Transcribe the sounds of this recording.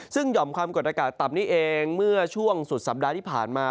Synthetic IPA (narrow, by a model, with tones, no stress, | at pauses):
sɯ˥˩ŋjɔ˨˩mkʰwaː˧mko˨˩t̪̚a˧kaː˨˩t̪ːa˨˩m̚niː˥˩ʔeː˧ŋmɯ˥˩ɐt͡ɕʰu˥˩əŋsu˨˩t̪̚sa˨˩˦p̚daː˧iː˥˩pʰaː˨˩nmaː˧